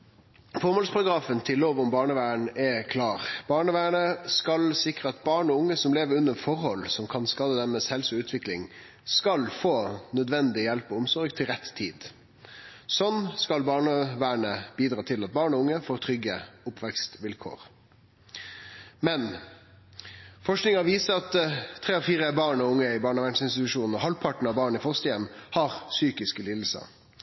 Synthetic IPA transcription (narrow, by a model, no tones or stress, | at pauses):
fɔɾmɔːlspʰɑɾɑɡɾɑːfənt̪ʰɪlːoːʋɔmbɑːɳəʋæːəɳɛkʰlɑːɾb̥ɑːɳəʋæːɳəskɑlsɪkɾəɑt̪bɑːɳɔʊŋːəsɔmleːʋəɾʉnːəfɔɾhɔlsɔmkʰɑnskɑːd̪əd̪æɾmɛsɛlsʉʉːt̪ʰʋɪklɪŋ | skɑlfoːnœd̪ʋɛnd̪ɪjɛlpɔʊmsɔɾɡt̪ʰɪlɾɛt̪ʰːiːd̪ | sɔnskɑlbɑːɳəʋæːɳəb̥iːd̪ɾɑːt̪ʰɪlɑt̪̚bɑːɳɔʊŋːəfoːɾt̪ʰɾʏɡəʊpʰʋɛkst̪ʋɪlkʰo̰ːɾ | mɛn | fɔʂknɪŋɑʋiːsəɑt̪ʰːɾeːɔfiːɾəbɑːɳɔʊŋːəɪbɑːɳɔʋæɳsɪnst̪ɪt̪ʉʂuːnn̩ɔhɑlpʰɑʈɳ̩ɑʋbɑːɳəɪfɔst̪əjɛmhɑʁsyːkɪskəliːd̪l̩sə̰